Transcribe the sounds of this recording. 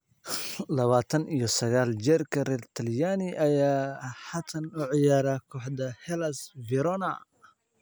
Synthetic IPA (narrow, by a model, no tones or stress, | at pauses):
lɐβaːt̪ʰɐnijɞsɐɣaːld͡ʒɛrkʰɐrɛːrt̪ʰɐljaːnɪʔɐjaːħat̪ʰɐnʊʕɪjaːɾaːkʰɔːħd̪ɐhɛlɐsvɪɾɔnɐ